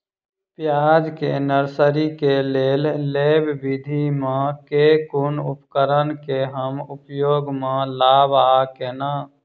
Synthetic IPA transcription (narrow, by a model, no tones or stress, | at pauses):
pjaːd͡ʒkenəɾsəɾikeleːlleːbbid̪ʱimãkekʊnʊ̰pkəɾənkeɦəmʊpjoːɡmãlaːbaːkeːnaː